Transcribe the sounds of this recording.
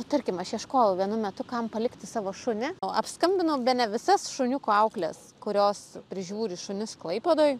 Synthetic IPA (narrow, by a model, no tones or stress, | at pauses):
ot̪ɐrʲkʲɪmɐʃiɛʃkoːjʊʋʲiɛnʊmʲɛt̪ʊkɐmpɐlʲɪkt̪ʲɪsɑːʋoːʃʊnʲɪɐ̰pskɐmʲbʲɪnʊbʲɛtnʲɛʋʲɪsɐsʃʊnʲʊkʊɐʊklʲɛs | kʊɾʲoːspʲɾʲɪʒʲuːɾʲɪʃʊnʲɪsklˠɐɪpʲɛd̪oːj